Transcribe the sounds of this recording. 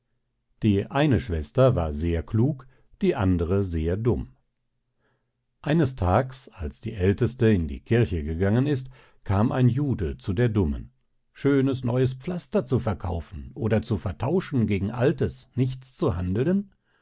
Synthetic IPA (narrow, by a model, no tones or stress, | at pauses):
d̥iːʔaɪnəʃv̥ɛstɐva̰ːɐzeːɐkʰluːk | d̥iːʔandəʁəzeːɐdʊm | ʔaɪnəstʰaːksalsd̥ḭːʔɛltəstəɪndḭːkʰɪɐçəɡəɡaŋənɪst | kʰaːmʔa̰ɪnjuːdət͡sudeːɐdʊmə̰n | ʃøːnəsnɔʏəspp͡flastɐt͡sufɛɐkʰaʊfn̩ʔoːdɐt͡sufɛɐtʰaʊʃn̩ɡeːɡŋ̩ʔaltəsnɪçt͡st͡suhandl̩ən